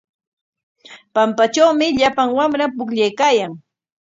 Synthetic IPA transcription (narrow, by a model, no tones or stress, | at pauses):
pampat͡ʃawmɪʎapaŋwamɾapʊkʎajkaːjaŋ